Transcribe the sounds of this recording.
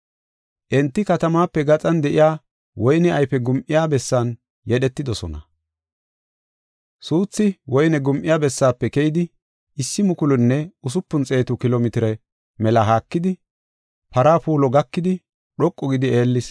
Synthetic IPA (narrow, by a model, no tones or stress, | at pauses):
ʔɛnt̪ːɪkɐt̪ɐmaːpːɛɡɐt͡sʼɐnd̪ɛʔɪjaː | wɔjnɛʔɐjpɛɡʊmʔɪjaːbɛsːaːn | jɛɗɛt̪ːɪd̪ɔsɔ̰nɐ̰ | suːt͡sːɪwɔjnɛɡʊmʔɪjaːbɛsːaːpːɛkɛjɪd̪ɪ | ʔɪsːɪmʊkʊlʊnːɛʊs̬ʊpːʊnt͡sʼe̞ːt̪ʊkɪloːmɪt̪ɪɾɛ | mɛlɐɦaːkːɪd̪ɪ | pɐɾaːpuːlɔɡɐkːɪd̪ɪ | ɗɔkʼːɔɡɪd̪ɪeːlːɪs